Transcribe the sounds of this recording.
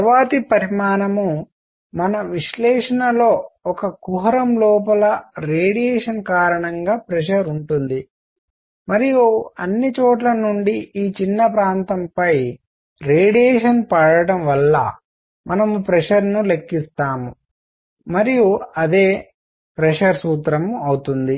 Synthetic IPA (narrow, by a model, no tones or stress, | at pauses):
t̪ʋaːt̪ipɐɾimaːnɐmu | mɐnɐʋiʂlɛːʂɐnɐlo̞ːɔkɐkuɦɐɾɐmlɔːpɐlɐɾeːɽijɛːʂɐnkaːɾɐɳɐŋɡaːpɾɛʂɐɾuɳʈund̪i | mɐɾijuɐnːit͡ʃɔːʈlɐnuɳɖiiːt͡ʃinːɐpɾaːnt̪ɐmpɐj | ɾeːɽijeːʂɐnpaːɽɐɽɐmʋɐlːɐ̰ | mɐnɐmupɾɛʂɐɾnule̞kːist̪aːmu | mɐɾijuɐd̪e̞ː | pɾɛʂɐɾsuːt̪ɾɐmɐwut̪und̪i